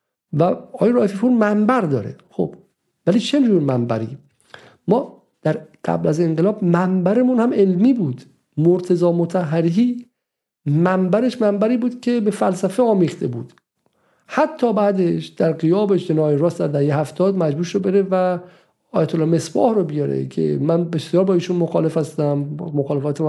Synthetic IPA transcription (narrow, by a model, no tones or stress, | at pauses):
væɒːjeɾɒːefipʰuːɾmæmbæɾd̪ɒːɾḛχo̰b̥ | væliːt͡ʃʰed͡ʒuːɾmæmbæ̰ɾḭː | mɒː | d̪̥æɾɢ̥æ̰blæze̞ŋɢelɒːbmæmbæɾemuːnhæme̞lmiːbuːd̪ | moɾt̪ʰezɒːmot̪ʰæɦːæɾiɦiː | mæmbæɾe̞ʃmæmbæɾiːbuːd̪̥cʰe̞be̞fælsæfeɒːmiːxt̪ʰe̞buːd̪̥ | hæt̪ʰːɒːbæːd̪eʃd̪̥æɾɢijɒːbeʃd͡ʒe̞nɒːjeɾɒːst̪d̪æɾd̪æhejehæft̪ʰɒːd̪mæd͡ʒbuːɾʃobeɾevæ | ɒːjæt̪ʰolːɒːme̞sbɒ̰ːhɾobijɒɾḛcʰḛmænbesijɒːɾbɒːiːʃunmoxɒːle̞fæst̪æmmoxɒːle̞fɒːt̪ʰem